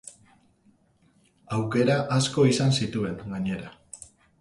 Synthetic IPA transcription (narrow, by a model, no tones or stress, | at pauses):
awke̞ɾaʔasko̞isansit̪ue̞ŋɡaɲe̞ɾa